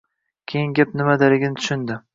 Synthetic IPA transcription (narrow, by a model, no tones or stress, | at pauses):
kʲʰejɪŋɡʲap̚nɪmad̪alɪɡʲɪnɪt̪ʰʊ̥ʃɪnd̪ɪ